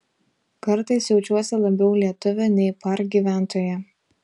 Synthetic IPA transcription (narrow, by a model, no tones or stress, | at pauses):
kɐɾt̪ɐɪsʲjɛʊt͡ʃʲuɔsʲɛlˠɐbʲɛʊlʲiɛt̪ʊʋʲɛnʲɛɪpɐɾɡʲiːʋʲæˑnt̪oːjɛ